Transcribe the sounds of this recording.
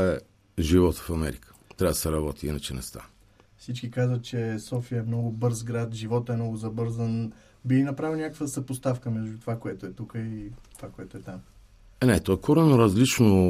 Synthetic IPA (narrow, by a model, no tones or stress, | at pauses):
ɛ | ʒivɔt̪ə̥fɐmɛ̰ɾikə̥t̪ɾʲavd̪ɐsɛɾɐbɔt̪iḭnət͡ʃɛnɛ̰st̪a̰ | fsit͡ʃkikazvət̪̚t͡ʃɛsɔfiəɛmnɔɡʊbɤɾzɡɾat̪ʒivɔt̪əɛmnɔɡʊzɐbɤɾzən | biinɐpɾavinʲakəkvəsɐpost̪afkəmɛʒd̪ut̪ovakoɛt̪oɛt̪ukəit̪ovakoɛt̪oɛt̪am | nɛt̪ɔɛkɔɾɛnoɾɐzlit͡ʃno